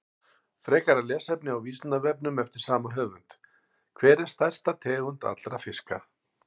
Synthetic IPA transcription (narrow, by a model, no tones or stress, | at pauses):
fɾɛːkaɾalɛːsɛpnɪawviːsnavɛp̚nʏmɛft̪ɪɾ̥saːmaɦœːvʏnt̪ | kʰvɛːɾɛ̥st̪aj̥st̪at̪ʰɛːɣʏnt̪a̰t̪lɾafɪska̰